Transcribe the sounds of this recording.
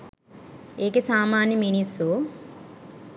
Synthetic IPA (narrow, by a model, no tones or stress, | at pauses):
eːkesaːmaːnjɐminisu